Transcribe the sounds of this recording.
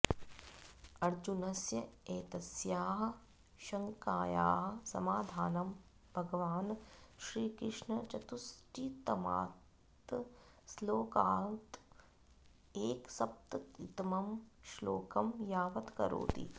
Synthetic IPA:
ɐɾd͡ʒunɐsjɐeːt̪ɐsjaːɦɐ̆ | ʃɐŋkaːja̰ːɦɐ̆sɐ̰maːd̪ʱaːnɐm | bʱɐɡʋaːnʃɾiːkɾɪʂɳɐt͡ʃɐt̪usʈʰit̪ɐma̰ː | t̪ | sloːkaːlt̪ | eːksɐp̚t̪ɐit̪ɐmɐmʃlo̰ːkɐmjaːʋɐt̪kɐ̰ɾo̰ːt̪ḭ

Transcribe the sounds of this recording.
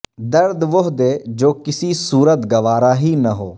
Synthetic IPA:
d̪əɾd̪ʋʊɦd̪eːd͡ʒoːkɪsiːsuːɾət̪ɡəʋaːɾaːɦiːnəɦoː

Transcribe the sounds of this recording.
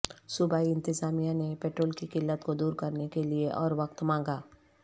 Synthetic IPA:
sʊbaːiɪ̃nt̪ɪzaːmijãnepeːʈɾoːlkikɪlːət̪kod̪uːɾkɐɾnekelieʔɔ̰ːɾʋɐkt̪mãːŋɡaː

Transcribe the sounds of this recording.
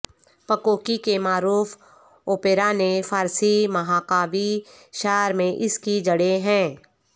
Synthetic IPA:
pəkoːkikemaːɾuːf | oːpeːɾanefaːɾsimɐɦaːkaːʋi | ʃaːɾmẽʔɪskid͡ʒɐɽeɦɛ̃ː

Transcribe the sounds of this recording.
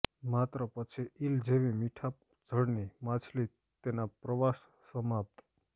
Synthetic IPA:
mat̪ɾəpət͡ʃʰiild͡ʒeʋimiʈʰap | d͡ʒʱəɽnimat͡ʃʰli | t̪enapɾəʋasːəmap̚t̪

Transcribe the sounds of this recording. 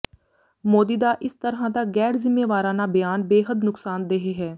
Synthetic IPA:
moːd̪iːd̪aːʔɪst̪əɾãːd̪aːɡɛːɾzɪmːeːʋaːɾãːnaːbəjaːnbeːɦəd̪nʊksaːnd̪eɦeːɦɛː

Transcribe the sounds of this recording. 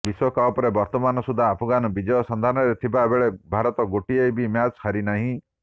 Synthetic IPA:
biswɔkapɔɾebɔɾt̪ɔmanɔsud̪ʱaːpʰɔɡanɔbid͡ʒɔjɔsɔnd̪ʱanɔɾet̪ʰibabeɭebʱaɾɔt̪ɔɡoʈiejbimjat͡ʃhʰaɾinaɦĩ

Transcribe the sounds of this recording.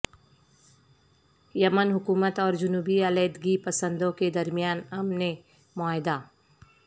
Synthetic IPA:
jɐmənɦʊkuːmət̪ɔːɾd͡ʒʊnuːbiɐleːd̪ɡipɐsə̃nd̪õked̪ɐɾmijaːnɐmne | maːɦɪd̪aː

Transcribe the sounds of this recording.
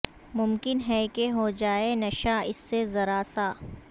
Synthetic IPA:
mʊmkɪnɦɛkeɦod͡ʒaːenɐʃaɪsːezɐɾaːsaː

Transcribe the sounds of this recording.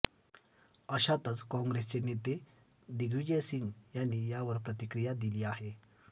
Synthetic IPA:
əɕat̪ət͡skɔ̃ŋɡɾest͡senet̪e | d̪iɡʋid͡ʑesiŋɡjanːiːjaʋəɾpɾət̪ikɾijad̪iliːahe

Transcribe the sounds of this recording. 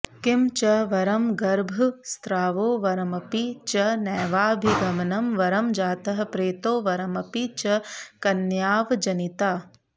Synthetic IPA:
kɪmt͡ʃɐʋɐɾɐmɡɐɾbʱst̪ɾaːʋoːʋɐɾɐmɐpit͡ʃɐnɛːʋaːbʱiɡɐmɐnɐmʋɐɾɐmd͡ʒaːt̪ɐɦɐ̆pɾeːt̪oːʋɐɾɐmɐpit͡ʃɐkɐnjaːʋd͡ʒɐnit̪aː

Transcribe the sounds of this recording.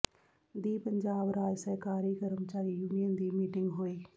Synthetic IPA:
d̪iːpəɲd͡ʒaːbɾaːd͡ʒsəɦkaːɾiːkəɾmt͡ʃaːɾiːjuːnijənd̪iːmiːʈɪ̃ŋɡɦoːiː

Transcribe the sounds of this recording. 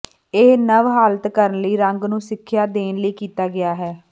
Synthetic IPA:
eːnəʋɦaːlət̪kəɾənləiːɾəŋɡnũːsɪkʰːjaːd̪eːnləiːkiːt̪aːɡɪaːɦɛː

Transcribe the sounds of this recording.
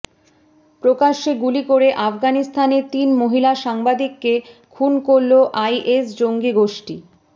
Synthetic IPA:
pɾokaʃeɡulikoɾeʔafɡanist̪ʰanet̪inmoɦilaʃaŋbad̪ikːekʰunkoɾloʔajʔesd͡ʑoŋɡiɡoʃʈi

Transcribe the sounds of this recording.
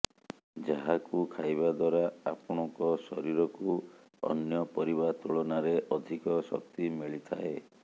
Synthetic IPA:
d͡ʒaɦakukʰajβad̪waɾaapɔɽ̃ɔŋkɔsɔɾiɾɔku | ɔ̰njɔpɔɾiβat̪uɭɔnaɾeʔɔd̪ʱikɔsɔ̰k̚t̪imiɭit̪ʰa̰e

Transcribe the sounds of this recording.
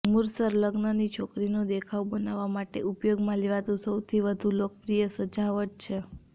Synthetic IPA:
muɾsəɾləɡnənit͡ʃʰokɾinod̪ekʰaʋbənaʋamaʈeupjoɡmãliʋat̪ũsəwt̪ʰiʋəd̪ʱũlok̚pɾijəsəd͡ʒaʋət̪̚t͡ʃʰe

